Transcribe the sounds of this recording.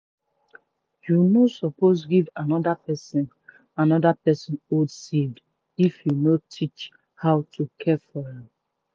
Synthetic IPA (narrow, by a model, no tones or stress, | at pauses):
junosɔpos̬ɡivanɔdapɛsĩn | anɔdapɛsɔ̃nodsivd | ifjunotʰit͡ʃ | hawtʰukʰɛfɔjĩm